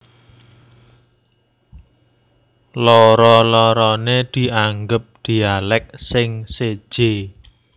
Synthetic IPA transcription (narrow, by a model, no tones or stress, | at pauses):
lɔɾɔlɔɾɔned̪̥i̤aŋɡəp̚d̪̥i̤alɛk̚sɪŋsed̥ʒ̥e